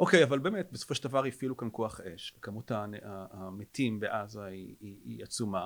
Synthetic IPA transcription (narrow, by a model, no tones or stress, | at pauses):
ʔo̞ke̞javalbe̞ːmet̚beso̥fo̞ʃeld̪avaʁjifilukankoaχʔe̞ʃvekamutanaːmetimbeʔazaiiiat͡suma